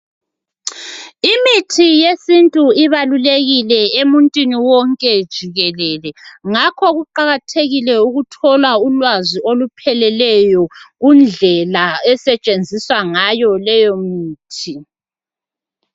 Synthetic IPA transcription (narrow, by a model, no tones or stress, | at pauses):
imitʰijesintʼuiβaluleɣilɛemuntʼwiniwɔŋkʼɛd̥ʒ̥ʱiɣɛlɛlɛŋakʰɔɣuǃaɣatʰeɣilɛuɣutʰɔlaulwaziolupʰɛlɛlɛjɔɣund͡ɮʱɛlaɛsɛt͡ʃʼend͡zʱiswaŋajɔlɛjomiːtʰi